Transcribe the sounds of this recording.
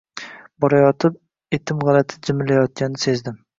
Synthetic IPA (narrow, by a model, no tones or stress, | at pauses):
bɒɾajɒt̪ʰɪp̚ | et̪ʰɪmʁɑlat̪ʰɪ̥d͡ʒɪmɪlajɒt̪̚kʲanɪse̞zd̪ɪm